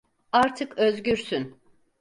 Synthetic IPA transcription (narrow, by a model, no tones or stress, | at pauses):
aɾt̪ʰɯkøzɟyɾsyn